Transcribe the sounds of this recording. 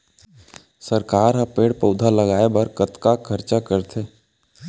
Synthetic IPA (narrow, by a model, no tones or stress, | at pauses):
səɾkaːɾɦapeːɽpəʊd̪ʱaləɡaːebɐɾkət̪kakʰəɾt͡ʃakəɾt̪ʰeː